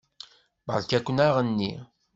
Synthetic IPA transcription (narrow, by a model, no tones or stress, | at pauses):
bʁəlkækʷːnaʁənːḭ